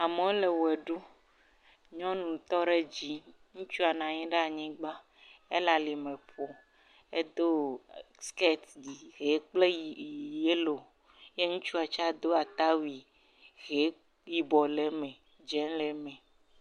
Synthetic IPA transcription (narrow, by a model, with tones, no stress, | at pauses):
a˨me˨o˦le˨wɛ˨ɖo˦ | ɲɔ̃˦nũ˨t̪ɔ˦ɖe˦d͡ʑi˦ | ŋũ˦t͡ʃu˦a˨nã˨ɲĩ˦ɖe˦a˨ɲĩ˦ɡ͡ba˦ | e˦la˨li˨mɛ̃˨ɸɔ˨ | e˦d̪o˦ | ske˦t̪di˨ɣe˨˦k͡ple˦˨je˦lo˨ | je˦ŋũ˦t͡ʃu˦a˨t͡ʃa˦d̪o˦a˨t̪a˦wi˨ | ɣe˨˦ | ji˦bɔ˨lɛ˦mɛ̃˨ | d͡ʒɛ˦nlɛ˨˦mɛ̃˨